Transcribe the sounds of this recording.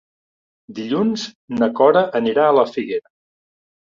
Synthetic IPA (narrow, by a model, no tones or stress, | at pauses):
d̪iʎunz | nəkɔɾəʔəniɾaələfiɣeɾə